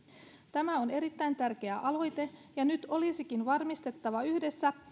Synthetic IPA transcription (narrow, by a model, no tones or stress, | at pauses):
t̪æmæo̞ne̞ɾit̪ːæjnt̪ærk̟e̞æʔɑlo̞jt̪e̞jɑnyt̪o̞lisikinʋɑrmist̪e̞t̪ːɑʋɑyhde̞sːæ